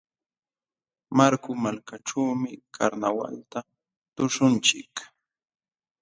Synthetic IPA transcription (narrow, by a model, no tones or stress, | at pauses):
maɾkʊmalkaʈ͡ʂaːmɪkʰaɾnawa̰lt̪a | t̪ʊʂʊnt͡ʃɪ̰k